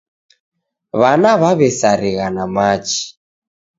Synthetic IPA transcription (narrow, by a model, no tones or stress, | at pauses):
βanaβaβɛsaɾiɣanamat͡ʃi̥